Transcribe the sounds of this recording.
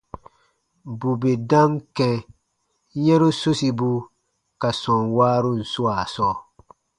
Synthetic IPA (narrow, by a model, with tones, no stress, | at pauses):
bu˨be˨dã˦ŋkɛ̃˨ | jɛ̃˦ɾu˦so˦si˨bu˦ | ka˨sɔ̃˨nwaː˦ɾu˦n̩˨su˦a˨sɔː˦